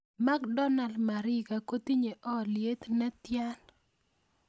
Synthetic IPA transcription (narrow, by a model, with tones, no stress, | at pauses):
ma˦kdɔ˦na˨ldma˨ɾɪ˦ka˨ko˦t̪i˦ɲe˨ʔɔ˦lɪe˦t̪nɛ˦t̪ja˦n